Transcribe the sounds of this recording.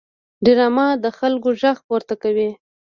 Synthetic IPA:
ɖɪɾɑmɑd̪əxalkoʒaxpoɾt̪akawi

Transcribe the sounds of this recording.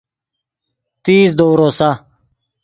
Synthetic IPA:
t̪iːsd̪oːɾoːsa

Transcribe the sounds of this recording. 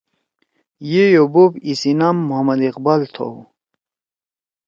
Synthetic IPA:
jejobopisinamːuɦɐmɐd̪iqbalt̪ʰo̰w

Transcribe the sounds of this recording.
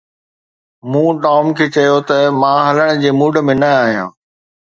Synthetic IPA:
mũːʈɔːmkʰeːt͡ɕɐjot̪ɐmãːɦɐləɽ̃̆d͡ʑeːmuːɖ̆mẽnɐaːɦijã̰ː

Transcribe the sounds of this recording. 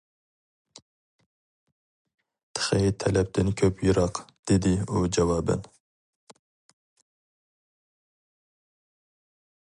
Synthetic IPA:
t̪ʰɨ̥xɛjet̪ʰɛlɛp̚d̪ɨnkʰøpjiɾɑːqd̪̥id̪iuːd͡ʒɛwɑːbɨ̰n

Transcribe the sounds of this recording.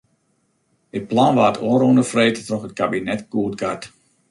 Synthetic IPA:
ɪt̚planʋaːətʰoərondəfreːjttrɔxət̚kabinɛtkuːt̚ɡat

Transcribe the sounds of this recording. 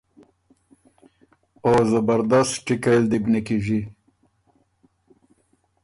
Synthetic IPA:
ozabaɾd̪ast̪ʈikeld̪ibnikiʐi

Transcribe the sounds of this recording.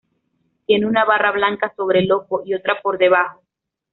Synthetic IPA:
t̪je̞neunaβaraβlaŋkaso̞β̞ɾe̞lo̞ko̞ʔio̞t̪ɾapo̞ɾðe̞β̞axo

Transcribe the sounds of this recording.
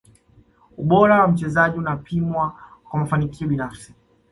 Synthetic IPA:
uɓɔɾawam̩t͡ʃɛzaʄiunapʰimwakwamafanikʰiɔɓinafsi̥

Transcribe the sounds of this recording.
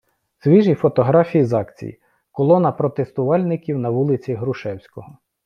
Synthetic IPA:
sʋʲiʒifɔt̪ɔɦɾɑfʲijizɑkt͡sʲḭjḭ | kɔlˠɔnɐpɾɔt̪est̪ʊʋɑlʲnɪkʲiwnɐʋulˠɪt͡sʲiɦɾʊʃɛwsʲkɔɦɔ

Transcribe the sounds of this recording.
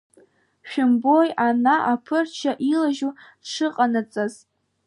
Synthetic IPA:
ʃᶣʊmbojanaʔapʰɨrt͡ʃʰaʔilaʒu̥ | ʂɨqʼanɨt͡sʼaz

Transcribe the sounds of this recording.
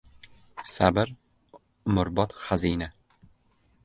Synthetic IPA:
sabɪɾ | mʊɾbɒt̪χazina

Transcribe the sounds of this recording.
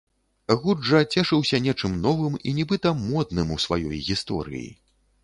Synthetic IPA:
ɣud͡ʐɐt͡sʲɛʂɨwsʲɐnʲɛt͡ʂɨmnɔvɨminʲɛbɨt̪ɐmɔd̪nɨmusva̰jɔ̰jɣʲist̪ɔ̰ɾɨ̰jḭ

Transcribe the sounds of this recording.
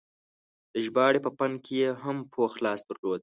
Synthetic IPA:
d̪̥əʒbɑɽepəpankʰejeɦampʰoxlɑːsd̪̥əɾlod̪̚

